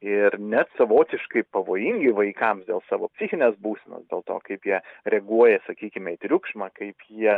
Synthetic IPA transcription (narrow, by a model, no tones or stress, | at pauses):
ɪɾnʲæt̪sɐʋoːt̪ʲɪʃkɐɪpɐʋoːjɪŋʲɡʲɪʋɐɪkɐmsd̪ʲeːlˠsɑːʋoːpʲsʲixʲɪnʲeːsbuːsʲɛno̰ːsd̪ʲḛːlˠt̪o̰ːkɐɪpjiɛɾʲɛɡuɔjɛsɐkʲiːkʲɪmʲɛɪt̪ʲɾʲʊkʃmɐkɐɪpjiɛ